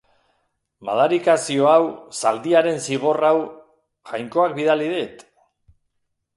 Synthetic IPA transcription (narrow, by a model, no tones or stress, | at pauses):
ma̰ðaɾikasio̞awsald̪iaɾe̞nsiɣ̞o̞raw | ʝajŋko̞ak̚biðaliðet̪